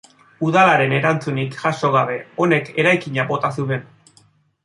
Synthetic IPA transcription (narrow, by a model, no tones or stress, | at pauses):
uðalaɾe̞ne̞ɾant͡sunikʝaʃo̞ɣaβe̞o̞ne̞ke̞ɾajkiɲabo̞t̪asuβe̞n